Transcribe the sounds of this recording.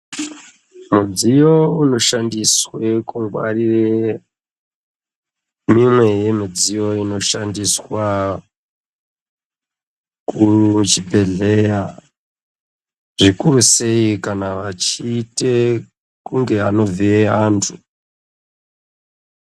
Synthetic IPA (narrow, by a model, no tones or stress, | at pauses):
mud͡zijo̞uno̞ʃandiswekuwa̰rire | mimwe̞je̞mid͡zijo̞ino̞ʃandiswa | kut͡ʃibʱe̞ɮe̞ja | ʐikuɾuse̞ikanaʋat͡ʃiːte̞ | kuŋɡe̞ano̞vieaːntʰu